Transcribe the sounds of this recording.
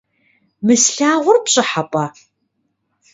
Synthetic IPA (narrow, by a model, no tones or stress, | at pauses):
mɨsɬaːʁʷʊrpɕʼɪħapʼɐ